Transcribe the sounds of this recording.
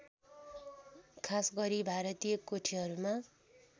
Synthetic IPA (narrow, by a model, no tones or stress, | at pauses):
kʰasɡʌɾibʱaɾʌt̪ijʌkoʈʰiɦʌɾuma